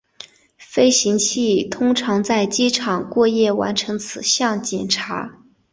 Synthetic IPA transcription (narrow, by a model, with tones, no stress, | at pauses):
fe˥ɪɕi˧˥ŋt͡ɕʰi˥˩t̪ʰʊ˥ŋʈ͡ʂʰɑ˧˥ŋt͡sa˥˩ɪt͡ɕi˥ʈ͡ʂʰɑ˨˩ŋkwɔ˥˧jɛ˥˩wa̰˧˥nʈ͡ʂʰɤ˧˥ŋt͡sʰɹ̩˨˩ɕjɑ˥˩ŋt͡ɕjɛ˨˩nʈ͡ʂʰa̰˧˥